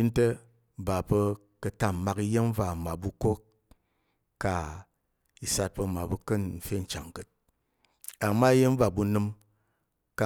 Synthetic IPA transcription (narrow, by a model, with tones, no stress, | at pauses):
i˦n̩˦te˦˨ | ba˨pə˧ | kə˧ta˦m̩˨ma˨ki˦je˦m˦va˨ma˨bu˧ko˦kː | a˨ | i˨sa˧t̚pə˧ma˨bu˦kɨ˦n̩˨fe˦˨n̩˨t͡ʃa˨ŋ˨kɨ˨t̚ | a˨mːa˦i˦je˦m˦va˨bu˧nɨ˧˦m | ka˨